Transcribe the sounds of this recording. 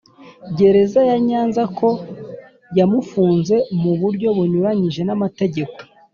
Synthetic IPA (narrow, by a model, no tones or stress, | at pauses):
bɟe̞ɾe̞zajaɲaːnzakʰo̞ | jamufuːnze̞muβuɾɟo̞βuɲuɾaɲiʒe̞namate̞ɟe̞ko̥